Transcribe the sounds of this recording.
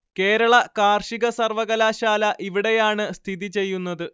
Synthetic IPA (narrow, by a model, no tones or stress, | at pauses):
ke̞ːɾɐɭɐkaːrʂiɣɐsɐrʋɐɣɐlaːɕaːlɐʔiʋiɽe̞jaːɳɨst̪ʰiðit͡ɕe̞jːunːɐðɨ